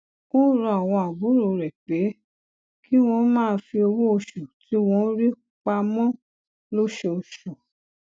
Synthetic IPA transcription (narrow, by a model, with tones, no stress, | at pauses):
kũ˦ɾɔ̃˧a˨w̃ɔ̃˧a˨bu˨˦ɾo˨ɾɛ˨k͡pe˨˦ | ki˦w̃ɔ̃˧˦mãː˦˨˧fi˧o˧wo˦o˧ʃu˨tʰi˨˦w̃ɔ̃˧˦ɾi˦ | k͡pa˧mɔ̃˦ | lo˦ʃe˧o˧ʃu˨